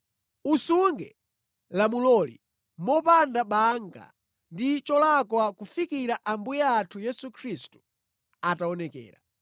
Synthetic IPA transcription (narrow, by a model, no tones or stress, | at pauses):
usuŋɡɛ | lamulɔlḭ | mɔpandaɓaŋɡa̰ | ndit͡ʃɔlakwakufikiɾaʔambujaːtʰujɛsukʰɾistu̥ | ataɔnɛkɛ̰ːɾa̰